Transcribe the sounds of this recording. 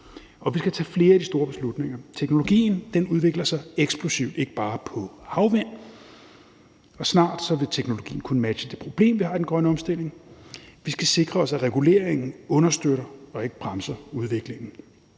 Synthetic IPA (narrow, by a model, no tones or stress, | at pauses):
ɒ̽ʋisɡ̥æt͡sʰɛ̰ːfle̝ːɐæd̥isd̥o̝ːɐb̥e̝slud̥ne̝ŋ̰ɐt͡sʰeɡ̥no̝lo̝ɡ̥ḭːn̩d̥enuð̞ˠʋe̝ɡ̥lɐsɑ̈ɪeɡ̥sb̥lusiʊd̥e̝ɡ̥əb̥ɑ̈ːpʰɒ̽hɑ̈ʊʋæn̰ | ɒ̽snɑ̰̈ːd̥sɒ̽ʋe̝t͡sʰeɡ̥no̝lo̝ɡḭːn̩kʰunəmæ̥ɕəd̥e̝pʰʁo̝b̥le̝̰ːmʋihɑ̈d̥enɡ̥ʁɶnəɒ̽msd̥e̝l̰e̝ŋʋisɡ̥æse̝ɡ̥ʁɐɒ̽sæʁɛɡ̥ule̝̰ɐeŋn̩ɔ̽nɐsd̥øɾɐɒ̽e̝ɡ̥əb̥ʁɑ̈msɐuð̞ˠʋe̝ɡ̥le̝ŋ̰n̩